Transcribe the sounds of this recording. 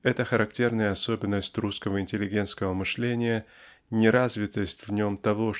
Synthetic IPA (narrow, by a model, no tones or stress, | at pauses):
ɛt̪əxəɾɐktʲe̞rnəjəɐso̞bʲɪnːəsʲtʲruskəvəɪnʲtʲɪlʲɪɡʲe̞nt̪skəvəmɨʂlʲenʲɪjə | nʲɪɾazvʲɪt̪əsʲtʲvnʲo̞mt̪ɐvo̞